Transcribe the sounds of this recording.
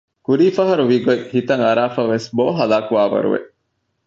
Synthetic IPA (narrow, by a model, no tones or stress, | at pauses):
kuɾiːfɐɦɐɾuʋiɡoihit̪ɐŋɐɾaːfɐʋːesboːɦɐlaːkuʋaːʋɐ̰ɾṵʋḛʔ